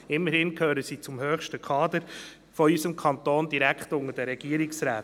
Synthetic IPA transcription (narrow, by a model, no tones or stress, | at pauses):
ɪmːəɾhɪnkhøːɾəsiːt͡sʊmhøːχʃtəkʰɑːd̪əɾ | fɔysəmkʰɑnt̪oːnd̥iɾækχtʊŋədəɾɛɡ̥iəɾiksɾæːt